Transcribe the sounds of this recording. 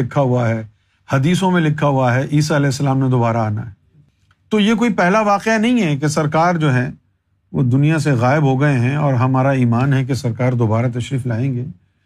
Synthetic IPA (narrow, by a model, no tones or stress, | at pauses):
ɪkʰːaɦuaɦɛ | hɐd̪iːsõmẽlɪkʰːaɦuaɦɛʔiːsaɐlɛːsːɐlaːmned̪oːbaːɾaaːna̰ɦɛ | t̪ojek̬oːipɛɦlaʋaːqeanɐɦĩɦɛk̬esɐɾkaːɾd͡ʒoːɦɛ̃ | ʋo̰d̪ʊnijas̬eɣaːɪbɦoɡɐeɦɛ̃ɔːɾɦɐmaːɾaiːmaːnɦɛk̬esɐɾkaːɾd̪oːbaːɾat̪ɐʃɾiːflaːẽːŋɡeː